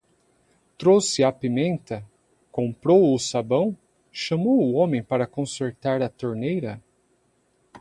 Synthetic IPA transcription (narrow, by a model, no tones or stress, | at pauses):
t̪ɾowsɪapimẽnt̪ɐ | kõmpɾowʊsabɐ̃w̃ | ʃɐmowʊõmẽj̃paɾɐkõseɾt̪aɾɐt̪oɾnejɾɐ